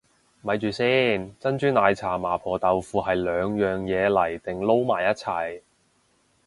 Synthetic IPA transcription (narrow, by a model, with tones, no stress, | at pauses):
mɐ˨˧jt͡ʃyː˨siː˥nt͡sɐ˥nt͡ʃyː˥naː˨˧jt͡sʰaː˨˩maː˨˩pʰɔː˨t̪ɐ˨wfuː˨˧hɐ˨jlœː˨˧ŋjœː˨ŋjɛː˨˧lɐ˨˩jt̪ɪ˨ŋlo˥wmaː˨˩jːɐ˥t̚t͡sʰɐ˨˩j